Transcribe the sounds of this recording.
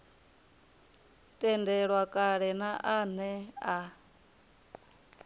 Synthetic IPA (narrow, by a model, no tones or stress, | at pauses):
tʼɛndɛɺwakʼaɺɛnaʔanɛa